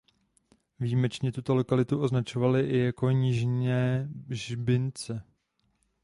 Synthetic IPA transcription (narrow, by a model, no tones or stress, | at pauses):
viːmɛt͡ʃɲɛt̪ut̪o̞lo̞kalɪt̪uʔo̞znat͡ʃo̞valɪʔɪjako̞ɲɪʒɲɛːʒbɪnt͡sɛ